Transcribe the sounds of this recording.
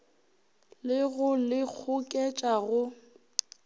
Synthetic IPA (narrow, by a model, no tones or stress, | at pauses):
lɪɣʊlɪk͡xʰʊkʼɛt͡ʃʼaɣʊ